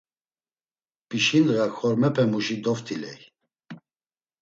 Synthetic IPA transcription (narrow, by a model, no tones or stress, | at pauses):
piʃinɣaxɔɾmɛpʰɛmuʃid̪ɔft̪ʰʼilɛ̰j